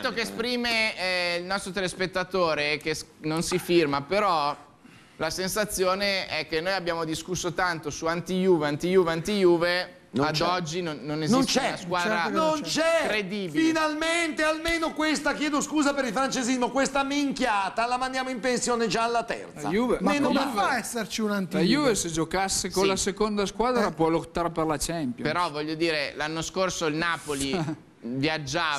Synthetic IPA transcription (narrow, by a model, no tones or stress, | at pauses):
t̪ːokeːspɾiːmeilnɔst̪ɾot̪elespet̪ːat̪oːɾekesnonsifirmapeɾɔ | lasensat̪sːjoːneɛkːenːoːjabːjaːmod̪iskusːot̪ant̪osuant̪ijuːveant̪ijuːveant̪ijuːve | nad̪ɔd͡ʒːinonːoneznisst̪t͡ʃɛnaskwaːd̪ɾanont͡ʃɛkɾed̪iːbiinalment̪ealmenokwest̪akjɛːd̪oskuːzapeɾilfɾant͡ʃezizmokwest̪amiŋkjaːt̪alamand̪jaːmoimpensjoːned͡ʒaːlːat̪ɛ̰rt̪sa̰juːvemenomovaɛsːert͡ʃiunant̪lajuːvesed͡ʒokasːekõllasekond̪askwaːd̪ɾapwɔlot̪ːaːɾeperlat͡ʃɛmpjopeɾɔvɔʎːod̪iːɾelanːoskorsoilnaːpoli | vjad͡ʒːaː